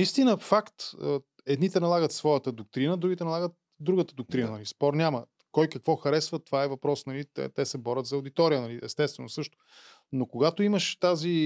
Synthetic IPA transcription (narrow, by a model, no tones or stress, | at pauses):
nist̪inəfakt̪ə | ɛd̪nit̪ɛnɐlˠaɡət̪svɔjət̪əd̪ok̚t̪ɾinəd̪ɾuɡʲit̪ɛnɐlˠaɡət̪̚ | d̪ɾuɡət̪əd̪ʊk̚t̪ɾinənɐlispɔɾnʲamə | kɔjkəkvɔxɐɾɛsvət̪ovaɛvɐpɾɔsnɐliɛ̰t̪ɛsɛbɔɾʲət̪zɐʊd̪it̪ɔɾijənɐliʔɛst̪ɛst̪vɛnosɤʃt̪ʊ̥ | nokoɡat̪oiməʃt̪azi